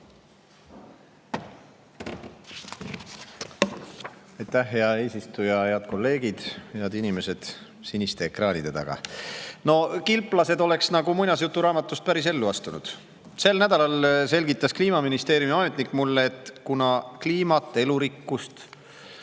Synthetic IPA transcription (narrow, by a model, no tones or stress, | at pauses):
ɑjt̪æhɦe̞ɑe̞ːsist̪ujɑhe̞ɑd̪̥ko̞lːe̞ːɡ̥id̪̥heɑd̪inime̞se̞d̪̥ | sinist̪e̞ːkrɑːnʲid̪̥e̞t̪ɑ̰ɡ̥ɑ̰no̞kilpˑlɑse̞d̪o̞le̞ksnɑɡumujnʲɑsjut̪ːˑuɾɑːmɑt̪ːˑust̪̚pæɾis̬e̞lːuɑst̪unud̪̥ | se̞lnæd̪ɑlɑlse̞lʲɡit̪ˑːɑskliːmɑminist̪e̞ːɾjumiɑmet̪nikːˑmulːeːt̪kunɑkliːmɑt̪ːˑe̞luɾikːust̪